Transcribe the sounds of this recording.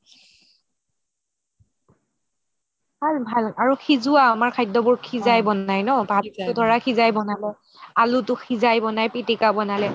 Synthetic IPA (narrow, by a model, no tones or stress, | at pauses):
balbʱalaɹuxʰizʊaːmaɹkʰajtːɔbʊɹkʰizajbɔnajnɔbʱalʊdʱɔɹakʰizajbɔnalɛ | alutʊxʰizajbɔnajpitikabɔnalɛ